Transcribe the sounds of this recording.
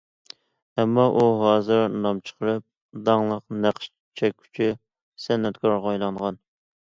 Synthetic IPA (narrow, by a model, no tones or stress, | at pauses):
ɛmːɑʔuɦɑːzɨɾnɑmt͡ʃʰə̥qʰəɾɨp̚ | d̪ɑŋlˠəqnæqʃ | t͡ʃʰɛkʲʰːy̥t͡ʃʰy | sɛnːɛt̪kʰɑɾʁɑjlˠɑɴʁɑn